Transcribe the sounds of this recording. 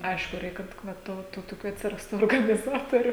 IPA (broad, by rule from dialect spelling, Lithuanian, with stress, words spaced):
ˈɐɪʃkʊ ˈrʲɛɪk kɐt ˈʋɐ ˈtoː tuː toːˈkʲuː ɐtʲsʲɪˈrɑːstuː oːrɡɐnʲɪˈzɑːtoːrʲʊ